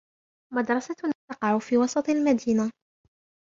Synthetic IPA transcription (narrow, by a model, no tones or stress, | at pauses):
mad̪ɾˤɑsat̪nt̪ɑqɑʕʊfiːwɑsˤɑt̪ˤalmad̪iːna